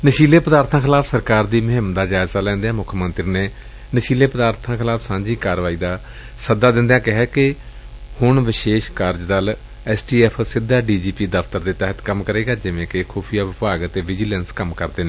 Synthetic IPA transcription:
nəʃiːleːpəd̪aːɾt̪ʰãːkʰɪlaːpʰsəɾkaːɾd̪iːmʊɦɪmd̪aːd͡ʒaːɪzaːlɛ̃ːnd̪eãːmʊkʰmənt̪ɾiːneː | nəʃiːleːpəd̪aːɾt̪ʰãːkʰɪlaːpʰsãːd͡ʒiːkaːɾʋaːiːd̪aː | səd̪aːd̪ɪ̃nd̪ejãːkɪɦɛːkɪ | hʊɳʋɪʃeːʃkaːɾd͡ʒd̪al | ɛːsʈiːɛːpʰsɪd̪ʱːaːɖiːd͡ʒiːpiːd̪əfʰt̪əɾd̪eːt̪ɛːɦət̪kəmkəɾeːɡaːd͡ʒɪʋẽːkɪkʰuːpʰijaːʋɪpaːɡət̪eːʋɪd͡ʒɪlɛːnskəmkəɾd̪eːnẽː

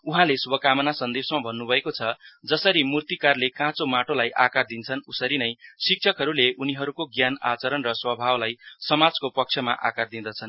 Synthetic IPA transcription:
uɦãleswʌkamʌnasʌnd̪ebsmabʱʌnːubʱʌekot͡sʰʌd͡zʌsʌɾimurt̪ikarlekãt͡somaʈolajʔakard̪int͡sʰʌnusʌɾinʌjsik̚t͡sʰʌkɦʌɾuleʔuniɦʌɾukoɡjana̰t͡sʌɾʌnrʌswʌbʱawlajsʌmad͡zkopʌk̚t͡sʰjʌma̰ʔa̰kard̪ĩd̪ʌt͡sʰʌn

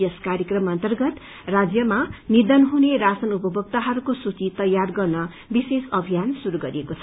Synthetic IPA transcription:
jʌskaɾjʌkrʌmʌnt̪ʌrɡʌt̪ | rad͡zjʌmanid̪ʌnɦunerasʌnupʌbʱʌk̚t̪aɦʌɾukosut͡sit̪ʌjarɡʌrnʌ | bisesʌbʱijansuɾuɡʌɾiekot͡sʰʌ

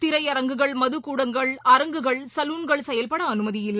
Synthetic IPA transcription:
t̪ɪɾɐɪɐɾɐŋɡɯɣɐɭmɐðɯkuːɽɐŋɡɐɭɐɾɐŋɡɯɣɐɭsɐluːnɡɐɭsɛjɐlpɐɽɐːnɯmɐðɪjɪlː

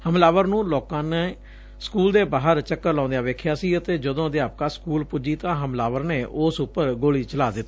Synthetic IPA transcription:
həmlaːʋəɾnũːloːkãːne | skuːld̪eːbaːɦəɾt͡ʃəkːəɾlãːnd̪ejaːʋeːkʰjaːsiːət̪eːd͡ʒəd̪õːd̪ɪaːp̚kaːskuːlpʊd͡ʒiːt̪ãːɦəmlaːʋəɾneːʔʊsʊpːəɾɡoːliːt͡ʃəlaːd̪ɪt̪ː

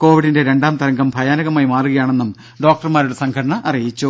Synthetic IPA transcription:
ko̞ːʋiɽinde̞ɾe̞ɳɖaːmt̪ɐɾɐŋɡɐmbʱɐjaːnɐɣɐmaːjimaːruɣɐjaːɳe̞nːum | ɖo̞ːk̚ʈɐrmaːɾuɽesɐŋɡʰɐɽɐɳɐʔɐrijit͡ɕːu

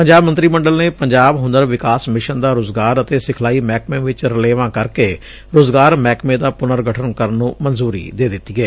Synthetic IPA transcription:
pəɲd͡ʒaːbmə̃nt̪ɾiːməɳɖəlneːpəɲd͡ʒaːbɦʊ̃nd̪əɾʋɪkaːsmɪʃənd̪aːɾoːzɡaːɾət̪eːsɪkʰlaːiːmɛːkmẽːʋɪt͡ʃɾəleːʋãːkəɾkeː | ɾoːzɡaːɾmɛːkmẽːd̪aːpʊnəɾɡəʈʰənkəɾnːũːmənzuːɾḭːd̪eːd̪ɪt̪ːiːɛː

